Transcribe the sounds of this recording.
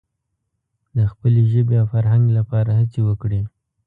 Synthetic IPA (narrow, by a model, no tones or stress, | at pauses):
d̪əxpəleʒəbejawfaɾɦaŋɡlapɑɾahat͡sewəkɽi